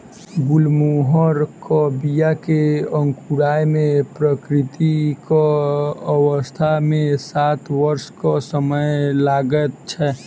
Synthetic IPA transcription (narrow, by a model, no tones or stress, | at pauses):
ɡulmoɦəɾkəbijakeə̃ŋkuɾaːjmẽpɾəkɾɪt̪ikaəwəst̪ʰamẽsaːt̪ʰʋəɾskɔsəməjlaːɡət̪̚t͡ʃʰɛ